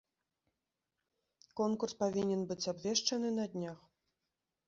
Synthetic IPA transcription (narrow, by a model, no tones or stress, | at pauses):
kɔnkurspavʲinʲɛnbɨt͡sʲabvʲeʂt͡ʂɐnɨnɐd̪ʲnʲax